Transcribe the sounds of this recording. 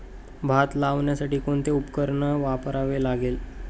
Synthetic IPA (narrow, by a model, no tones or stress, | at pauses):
bʱat̪laʋɳjasaʈiːkoɳt̪eupkəɾɳəʋapəɾaʋelaɡel